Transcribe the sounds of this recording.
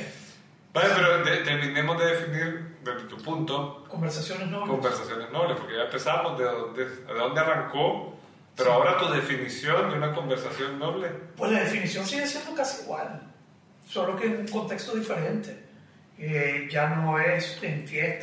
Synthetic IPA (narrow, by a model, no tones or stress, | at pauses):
baepeɾod̪et̪eɾmĩne̞mo̞zðeðefiniɾd̪ezðet̪upunt̪o̞ko̞mbeɾsasjo̞neznoβkombeɾsasjo̞nezno̞βlespoɾkeʝampesamo̞zðeðond̪eðeðo̞nd̪earaŋko̞ | pe̞ɾoao̞ɾat̪uðe̞finisjo̞nd̪eunako̞mbe̞ɾsasjo̞nːo̞βle̞pwe̞slaðe̞finisjo̞nsiɣesjend̪okasiːɣwa̰l | so̞lo̞keːnuŋkont̪e̞kst̪o̞ðife̞ɾent̪e | eʝano̞est̪ent̪jet̪